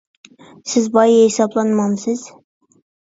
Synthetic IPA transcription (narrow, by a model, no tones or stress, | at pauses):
sɪzbɑjhɪsɑblˠɑnmɑnsɪz̥